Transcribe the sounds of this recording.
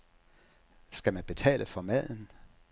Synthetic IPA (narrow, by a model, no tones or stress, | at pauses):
sɡ̥æmænb̥e̝t͡sʰɛ̰ːlʔəfɒ̽mæð̰ˠn̩